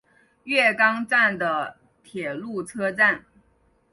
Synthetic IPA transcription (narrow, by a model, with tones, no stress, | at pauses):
ɥɛ˥˩kɑ˥ŋʈ͡ʂa˥˩nd̪ə˩ | t̪ʰjɛ˨˩lu˥˩t͡sʰɤ˥ʈ͡ʂa˥˩n